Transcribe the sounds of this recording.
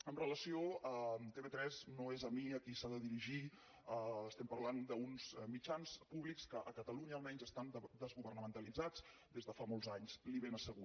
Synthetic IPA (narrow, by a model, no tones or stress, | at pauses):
əmrələsioət̪eβet̪ɾɛznoezəmiəkisaðəðiɾiʒi | əːst̪ɛmpəɾland̪əunzmid͡ʒanspuβlikskəʔəkət̪əluɲəːlˠmɛɲzəst̪and̪əzɣuβərnəmənt̪əlid͡zad͡z̥ | d̪ezðəfamɔlˠzaɲzliβenəsəɣu